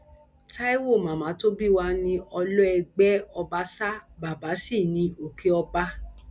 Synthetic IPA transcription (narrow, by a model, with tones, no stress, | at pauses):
ta˦i˦wo˦˨mã˨mã˨˦to˦bi˦˨wa˧nĩ˧ɔ˧lɔ˦ɛ˧ɡ͡bɛ˦ɔ˧ba˦sa˦ba˨ba˨˦si˦˨nĩ˧˦o˨kʰe˦ɔ˧ba˦